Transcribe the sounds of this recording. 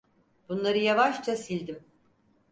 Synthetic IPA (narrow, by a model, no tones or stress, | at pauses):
b̥unlˠaɾɯjavaʃt͡ʃasilʲd̪im